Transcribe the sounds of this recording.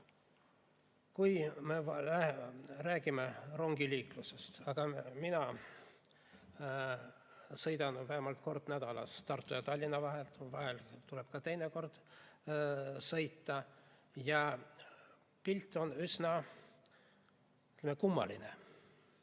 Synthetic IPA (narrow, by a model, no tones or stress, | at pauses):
kujme̞ɑlæræːɡ̥imero̞ŋɡ̥iliːkluse̞st̪ɑɡ̥ɑminɑ | sɤjd̪ɑnvæhemɑlt̪̚ko̞rd̪̥næd̪̥ɑlɑ̰st̪ɑrt̪ːˑujɑt̪ɑlʲːinːɑvɑɦelt̪vɑɦelt̪ule̞b̥̚kɑt̪e̞jneko̞rd̪̥ | sɤjt̪ˑːɑjɑ | pilʲt̪ːˑo̞nysnɑ | t̪lemekumːɑ̰line